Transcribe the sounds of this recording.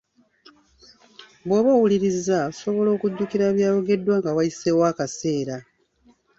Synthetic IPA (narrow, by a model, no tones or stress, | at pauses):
βwaβawuliɾizːaso̞βo̞lo̞ːkuɟːukiɾaβjaːjoɡe̞dːwaːŋɡawajisewaːkase̞ːɾa